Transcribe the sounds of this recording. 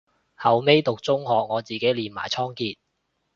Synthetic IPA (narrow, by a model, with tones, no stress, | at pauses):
hɐ˨wme˥jt̪ʊ˨k̚t͡sʊ˥ŋhɔː˨k̚ŋɔː˨˧t͡siː˨ke˨˥jliː˨nma̰ː˨˩jt͡sʰɔː˥ŋkiː˧t̚